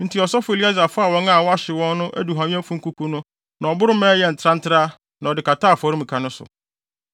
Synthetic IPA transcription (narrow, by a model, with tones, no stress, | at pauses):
n̩˦tʰi˨ɔ˨sɔ˦fʊ˨e˨li˦a˦za˨fʊ˦a˨wɔ̃˦ŋa˦˨wɔ˦a˦ɕɪ˨wɔ̃˦nː˦ʊ̃˦ʔæ̰˦du˨ɦã˨m̃˦ɛ̃˦m̩˦fũ˦ŋ̩˦ku˦kʰu˦nʊ̃˦ | nã˨ɔ˨bʊ˦ɾʊ˦mɛ̃ː˦jɛ˨n̩˨tʰɾã˦n̩˦tʰɪ˦ɾa˦ | nã˨ɔ˨dɪ˨ka˨ta˦˨fɔ˨ɾi˦m̩˨kʰa˨nʊ̃˦sʊ̰˨